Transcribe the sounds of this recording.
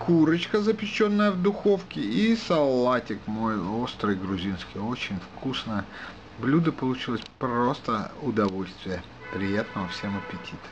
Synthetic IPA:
kʰuɾət͡ɕkəzəpʲɪt͡ɕːo̞nːəjəvd̪ʊxo̞fkʲɪisɐlˠːatʲɪkmo̞jo̞st̪ɾɨjɡɾʊzʲinskʲɪjo̞t͡ɕɪnʲfkusnəjə | blʲud̪əpəlˠʊt͡ɕilˠəsʲpro̞st̪əʊd̪ɐvo̞lʲst̪vʲɪjə | pɾʲɪjat̪nəvəfsʲeməpʲɪtʲʰit̪ə̥

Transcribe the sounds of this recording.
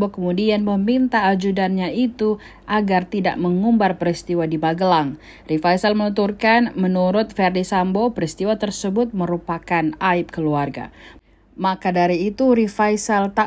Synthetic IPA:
bokəmudianməmint̪aːd͡ʒudanɲait̪u | ʔaɡart̪ida̰ʔməŋumbarpəɾist̪iwadimaɡəlaŋ | rifajsalmənut̪urkanmənuɾʊt̪̚fɛrdisambopəɾist̪iwat̪ərsəbʊt̪̚məɾupakanaɪp̚kəluarɡa̰ | makadaɾiːt̪uɾifajsalt̪a

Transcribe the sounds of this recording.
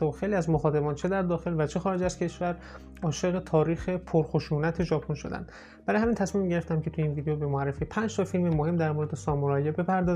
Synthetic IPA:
t̪xe̞jliːæzmoxɒːt̪emɒːnt͡ʃʰe̞d̪æɾd̪ɒːxe̞lvæt͡ʃʰe̞xɒːɾed͡ʒæz̥cʰe̞ʃvæɾ | ɒːʃe̞ɣet̪ʰɒːɾiːxe̞pʰoɾxoʃuːnæt̪ʰe̞ʒɒːpʰonʃo̞̰d̪æ̰nd̪̥ | b̥æɾɒːjhæmint̪ʰæsmimɟe̞ɾeft̪æmcʰe̞t̪ʰujinviːd̪ejobemoærːefipʰænd͡ʒt̪ʰɒfilmemohe̞md̪æɾmoɾe̞d̪esɒːmoɾɒːjebe̞pʰæɾd̪ɒː

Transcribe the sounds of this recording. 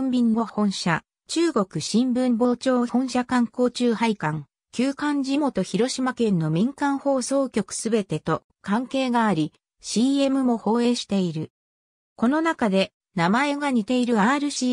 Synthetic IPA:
mbʲinːo̞hõ̞ɰ̃ɕa | t͡ɕɨːɡo̞kɯ̟ɕĩmbɯ̟̃mbo̞ːt͡ɕo̞ːhõ̞ɰ̃ɕakãŋko̞ːt͡ɕɨːhaikãŋ | kʲɨːkãɲ̟d͡ʑimo̞t̪o̞çiɾo̞ɕimakẽ̞nːo̞mʲĩŋkãɰ̃ho̞ːso̞ːkʲo̞kɯ̟̥sɨbe̞t̪e̞t̪o̞ | kãŋke̞ːɡaːɾʲi | ɕiːe̞mɯ̟mo̞ho̞ːe̞ːɕi̥t̪e̞iɾɯ̟ | ko̞no̞nakad̪e̞ | namae̞ɡaɲ̟it̪e̞iɾɯ̟aɾɯ̟ɕi

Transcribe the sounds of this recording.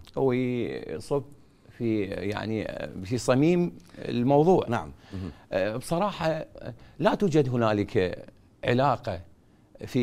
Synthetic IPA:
hʊwisˤʊb | fija̰ʕnifisˤɑmiːm̰lmɑwðˤuːʕna̰ʕa̰m | bsˤɑɾˤɑːħɑlat̪uːd͡ʒad̪ɦʊnaːləka | ʕɪ̰laːqa | fi

